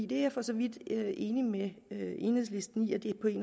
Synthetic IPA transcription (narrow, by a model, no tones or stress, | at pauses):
ḭːd̥e̝afɒ̽sɒ̽ʋid̥øʔe̝ːnimeøʔe̝nhḛsle̝sd̥n̩iæd̥e̝pʰɒ̽e̝ːn